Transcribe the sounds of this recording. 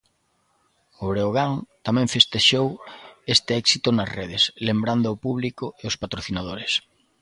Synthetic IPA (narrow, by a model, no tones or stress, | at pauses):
oβɾeoɣ̞aŋt̪amɛ̃ɱfest̪eʃowest̪ɪɛksit̪ʊnɐsreðɪslembɾand̪ʊːpuβlikʊeʊspat̪ɾoθinaðoɾɪs